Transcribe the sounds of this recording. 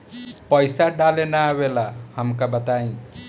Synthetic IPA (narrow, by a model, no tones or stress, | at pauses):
pəjsaɖalenaabelahəmkabət̪aĩ